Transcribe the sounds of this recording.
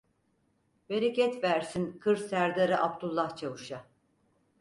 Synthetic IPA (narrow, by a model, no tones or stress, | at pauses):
be̞ɾecɛt̪væɾsinkʰɯɾsæɾd̪aɾɯʔap̚t̪ʰulˠːaht͡ʃʰavuʃa